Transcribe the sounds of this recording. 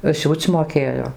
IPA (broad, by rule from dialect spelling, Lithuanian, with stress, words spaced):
ˈsʲuːt͡sʲ moːˈkʲeːjoː